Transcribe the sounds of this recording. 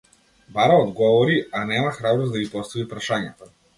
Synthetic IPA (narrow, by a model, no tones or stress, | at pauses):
baɾaɔd̪ɡɔvɔɾianɛmaxɾabɾɔzd̪aɡipɔst̪avipɾaʃaɲat̪a